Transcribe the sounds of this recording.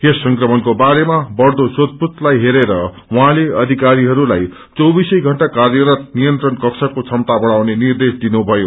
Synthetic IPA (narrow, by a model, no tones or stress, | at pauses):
esːʌŋkrʌmʌnkobaɾemabʌrd̪osot̪̚put̪lajɦeɾeɾʌ | wʌɦãleʌd̪ʱikaɾiɦʌɾulaj | t͡sʌwbisʌjɡʱʌɳʈakarjʌɾʌt̪̚nijʌnt̪rʌnkʌksʰʌkot͡sʰʌmt̪abʌɽ̃awnenird̪esd̪inubʱʌjo